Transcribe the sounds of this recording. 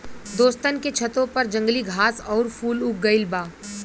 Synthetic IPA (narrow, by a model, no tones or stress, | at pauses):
d̪oːst̪ənket͡ʃʰət̪õpɐɾd͡ʒə̃ŋɡliɡʱaːsɔːɾfuːlʊk̚ɡəɪlbaː